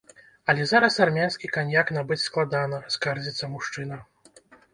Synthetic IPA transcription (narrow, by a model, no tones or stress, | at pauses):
ɐlʲɛzaɾɐsarmʲansʲkʲikanʲjaknabɨt͡sʲsklˠad̪anɐskard͡zʲit̪sːɐmuʂt͡ʂɨnɐ